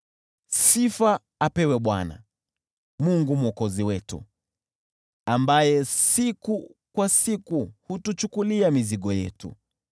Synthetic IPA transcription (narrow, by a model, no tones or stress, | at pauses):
sifaː | pɛwɛɓwa̰na̰ | muŋɡumuɔkɔziwɛtṵ | ambajɛsikukwasikuhutut͡ʃukuliamiziɠɔjɛ̰tṵ